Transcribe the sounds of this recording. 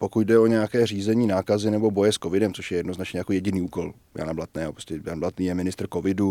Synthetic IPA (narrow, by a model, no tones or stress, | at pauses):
po̞kut̪dɛo̞ɲɛjakɛːr̝iːzɛɲiːnaːkazɪnɛbo̞bo̞jɛsko̞vɪdɛmt͡so̞ʃjɛjɛdno̞znat͡ʃɲɛjakojɛɟɪniːuːko̞l | ja̰nablat̪nɛːapɾoscɛjanblat̪niːjɛmɪnɪst̪ɾ̩ko̞vɪdu